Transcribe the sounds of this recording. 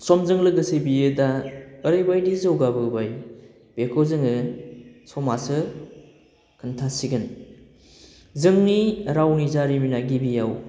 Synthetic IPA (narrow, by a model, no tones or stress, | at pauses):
sɔmzɯŋlɯɡɯsɯbijɯdaəɾɯjbajdizowɡabɯbaj | b̥ekʰozɯŋɯ | sɔmasɯ | kʰɯntʰasiɡɯn | zɯŋniɾawnizaɾiminaɡibijaw